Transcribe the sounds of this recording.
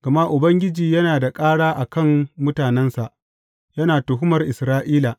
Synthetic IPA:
ɡ̥ɐ˨ma˦ʔʊ˨bɐ˦ŋɡʲɪ˦d͡ʒiː˨jɐ˦naː˨da˨kʼaː˦ɽaː˦ʔa˨kɐ˦˨mmʊ˦taː˨nɛ˦nsa˨ʔ | jɐ˦naː˨tʊ˨ɦʊ˦mɐ˨rʔɪ˨sɾaː˦ʔiː˦la˨

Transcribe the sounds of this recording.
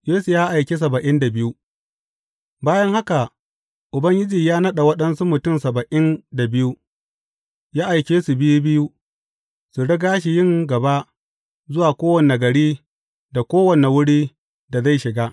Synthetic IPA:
jeː˦su˨jaː˦ʔa˨jkʲe˦s̬ɐ˨bɐ˨ʔɪ˦nda˨bɪ˦ju˦ | baː˦jɐ˦ŋha˦ka˨ | ʔʊ˨bɐ˦ŋɡʲɪ˦d͡ʒiː˨jaː˦nɐ˦ɗa˨wɐ˦ɗɐ˦nsu˦mʊ˨tʊ˦˨msɐ˨bɐ˨ʔɪ˦nda˨bɪ˦ju˦ | jaː˦ʔa˨jkʲeː˦su˨bɪ˦ju˦bɪ˦ju˦ | su˨ɽɐ˦ɡaː˦ʃ̬i˨jɪ˦˨ŋɡɐ˨ba˦ | zʊ˦waː˨kʷoː˦wɐ˨ne˨ɡɐ˨ɽiː˦ | da˨kʷoː˦wɐ˨ne˨wʊ˦ɽiː˦ | da˨za˦˨jʃɪ˨ɡa˦

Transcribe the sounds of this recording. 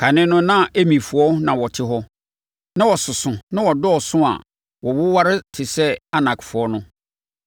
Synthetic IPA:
kʰa˨nɪ̃˦nʊ̃˦nã˦ʔe˦mĩ˨fʊ˨ɔ˦nã˨wɔ˨tʰɪ˦ɦɔ˦ | nã˦wɔ˨sʊ˨sʊ̃˨nã˦wɔ˨dɔ˦ɔ˨sʊ̃˦a̰˨ | wɔ˨wʊ˦wa˦ɾɪ˦tʰɪ˨sɛ˦a˦nã˨kʰfʊ˨ɔ˦nʊ̃˦

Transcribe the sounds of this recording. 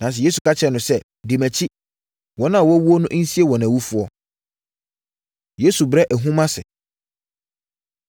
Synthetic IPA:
nã˨s̬ɪ˨je˦su˨kʰa˦t͡ɕʰɛ˨nʊ̃˨sɛ˦ | di˨mæ̃˨t͡ɕʰi˦ | wɔ̃˦nã˦a˨wɔ˦wu˦o˦nʊ̃˦ʔn̩˦si˦e˦˨wɔ̃˨næ̃˨wu˦fʊ˨˦ɔ˦ | je˦su˨bɾɛ˦ʔæ˨ɦũ˦mã˦sɪ̰˨

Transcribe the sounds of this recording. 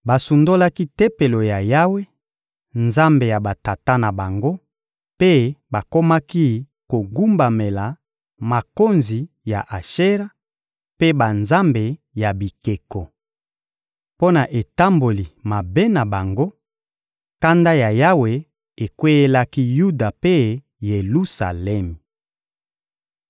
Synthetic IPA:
ba˨su˨ndo˦la˦ki˦te˦pe˨lo˨ja˨ja˦we˦ | nza˦mbe˨ja˨ba˨ta˨ta˦na˨ba˨ŋɡo˦ | pe˦ba˨ko˦ma˦ki˦ | ko˨ɡu˦mba˨me˨la˨ | ma˨ko˦nzi˨ | ja˨ʔa˨ʃe˦ʁa˦ | pe˦ba˨nza˦mbe˨ | ja˨bi˨ke˨kɔ˨ | po˦na˨ʔe˨ta˦mbo˨li˨ma˨be˦na˨ba˨ŋɡo˦ | ka˦nda˦ja˨ja˦we˨ | e˨kwe˦e˦la˦ki˦ju˦da˨pe˦ | je˨lu˦sa̰˨lɛ˦mi˨

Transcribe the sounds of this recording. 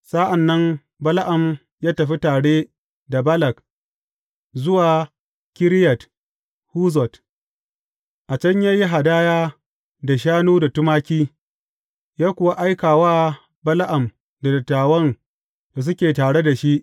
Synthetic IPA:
sa˦ʔa˨nːɐ˦m | bɐ˦la˦ʔa˨m | jaː˦tɐ˨ɸi˦taː˨ɽeː˦ | da˨bɐ˦lɐ˨k̚ | zʊ˦waː˨ | kʲɪ˦ɾjɐ˨t | huː˦zɔ˨t | ʔa˨t͡ʃɐ˦ɲja˦ji˦ɦa˨daː˦jaː˦ | da˨ʃ̬aː˦nuː˦da˨tʊ˦maː˦kʲiː˦ | jaː˦kʷʊ˨wa˦ʔa˦jkaː˨waː˦ | bɐ˦la˦ʔa˨m | da˨dɐ˨tːaː˨wɐ˦n | to˨s̬ʊ˦kʲeː˨taː˨ɽe˦da˨ʃi˦ʔ

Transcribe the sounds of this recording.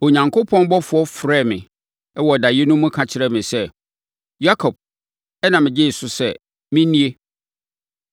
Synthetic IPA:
o˨ɲã˨ŋkʰo˦pʰɔ̃˦nbɔ˦fʊ˨ɔ˦fɾɛ˦˨mɪ̃˨ | ɛ˦wɔ˨da˨jɪ˦nʊ̃˦mũ˦kʰã˨t͡ɕʰɪ˨ɾɛ˦mɪ̃˨sɛ˦ | ja˦kʰɔ˨b̚ | ɛ˦nã˨mɪ̃˨d͡ʑe˦˨sʊ˦sɛ˦˨ | mɪ̃˦nĩ˦e˦

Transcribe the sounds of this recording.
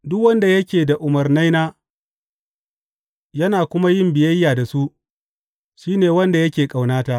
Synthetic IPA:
dʊ˦kwɐ˦nda˨jɐ˦kʲeː˨da˨ʔʊ˨mɐ˨rna˦jnaː˦ | jɐ˦naː˨kʷʊ˦ma˦jɪ˦mbɪ˨jɐ˦jːaː˨da˨su˦ʔ | ʃiː˦neː˨wɐ˦nda˨jɐ˦kʲeː˨kʼa˨wnaː˦taː˨ʔ

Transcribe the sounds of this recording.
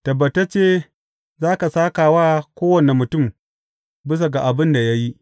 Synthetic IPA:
tɐ˨bɐ˨ta˦t͡ʃeː˦ | zaː˦ka˨saː˦kaː˨waː˦kʷoː˦wɐ˨ne˨mʊ˨tʊ˦˨m | bɪ˦s̬a˨ɡa˨ʔa˨bɪ˦nda˨ja˦ji˦ʔ

